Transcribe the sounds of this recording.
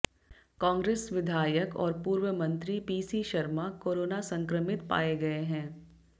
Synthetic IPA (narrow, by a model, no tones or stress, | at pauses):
kãːŋɡɾeːsʋɪd̪ʱaːjəkɔ̰ːɾpuːɾwəmɐ̃nt̪ɾipiːsiʃɐɾmakoːɾoːnasɐ̃ŋkɾəmɪt̪pa̰ːeɡɐeɦɛ̃ː